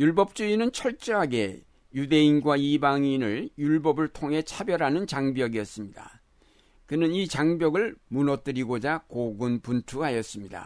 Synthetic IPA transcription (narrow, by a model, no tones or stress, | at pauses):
juɭbʌp̚t͡ɕ͈uinɯnt͡ɕʰʌɭt͡ɕ͈ʌɦaɡe̞ | jude̞inɡwaibaŋinɯɭjuɭbʌbɯɭtʰoŋɦe̞t͡ɕʰabjʌɾɦanɯnt͡ɕaŋbjʌɡiʌs͈ɯmɲida̰ | kɯnɯnit͡ɕaŋbjʌɡɯɭmunʌt͈ɯɾiɡod͡ʑakoɡɯnpuntʰuɦajʌs͈ɯmɲida̰